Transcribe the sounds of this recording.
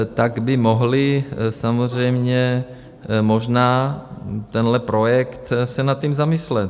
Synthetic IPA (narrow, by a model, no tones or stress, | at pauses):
t̪aɡbɪmoɦlɪsamozr̝ɛjmɲɛ | moʒnaː | t̪ɛnlɛpɾojɛkt̪sɛnat̪ːcimzamɪslɛt̪̚